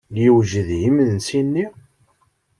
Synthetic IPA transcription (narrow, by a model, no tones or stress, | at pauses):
ljiwʒəðjimðənsinːi